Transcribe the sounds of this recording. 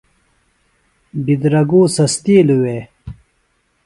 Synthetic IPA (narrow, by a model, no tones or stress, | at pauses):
bid̪ɾɐɡuːsɐst̪iːluweː